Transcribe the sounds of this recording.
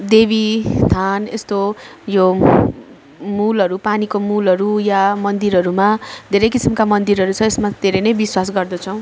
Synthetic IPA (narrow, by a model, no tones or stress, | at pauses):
d̪ebist̪ʰanest̪ojo | mulʌɾupanikomulʌɾujamʌnd̪iɾɦʌɾumad̪ʱeɾʌjkisimkamʌnd̪iɾʌɾut͡sʰʌesmad̪ʱeɾʌjnʌjbiswas̬ɡʌrd̪ʌt͡sʰʌw̃